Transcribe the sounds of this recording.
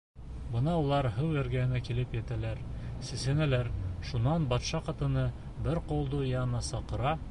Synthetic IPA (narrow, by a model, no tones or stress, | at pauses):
bɤ̆nɑulˠɑɾɦɤwæɾɡæhɘ̆nækilɘpjæt̪ælæɾsɘ̆sænælæɾʃunɑnbɑt̪ʃɑqɑt̪ɤ̆nɤ | bɘɾqŏlˠd̪ojɑnɑsɑqɤ̆ɾɑ